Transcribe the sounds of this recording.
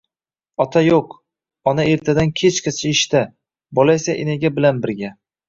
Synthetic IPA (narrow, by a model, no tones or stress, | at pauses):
ɒt̪ʰajoq | ɒnae̞ɾt̪ʰad̪ankʲʰet͡ʃqʰasʰɪɪʃt̪a | bolˠajsaʔɪneɡʲabɪlanbɪɾɡʲa